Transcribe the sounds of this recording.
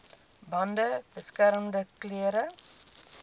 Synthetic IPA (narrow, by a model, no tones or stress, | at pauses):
bɐndəb̥əskæɾmdəkleːɾə